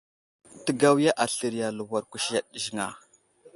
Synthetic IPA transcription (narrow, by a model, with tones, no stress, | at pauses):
tə˨ɡa˦wja˦ʔa˨ɬə˨ɾi˨ja˨lu˨wa˨ɾku˨ʃja˨ɗʒi˨ŋa˨